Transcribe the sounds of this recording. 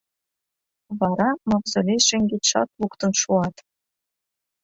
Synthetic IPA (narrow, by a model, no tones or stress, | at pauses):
βɑɾɑmɑvzɤ̆lʲeʃĕŋɡet̪ʃɑ̰t̪lukt̪ə̆nʃuɑt̪